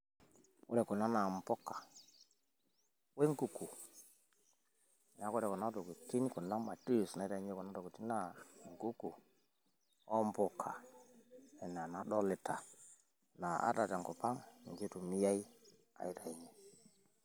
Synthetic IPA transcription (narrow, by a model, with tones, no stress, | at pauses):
ʊ̰˦ɾɛ˨kɔ˨na˦na˨m˨pɔ˦kːḁ˨ | we˦ŋku˦ku˨ | n˨a˨˦kɔ˦ɾɛ˨kɔ˨na˦to˨ku˨ti˦n˦ku˨na˦ma˨ti˦˨sna˨˦i˦ɾa˦e˦kɔ˨na˦to˨ku˨ti˦na˦˨ŋku˦ku˨ | ɔ˦mpɔ˨kʰːa˨ | ɛ˨na˨na˨dɔ˦lɪ˨ta˨ | na˨a̰˦ta˨ta˨ŋkɔ˨pa˦ŋ˨d͡ʒi˦tu˨mi˦ja˦i˦ | a̰˨i˦ta˨i˨˦ɲe˨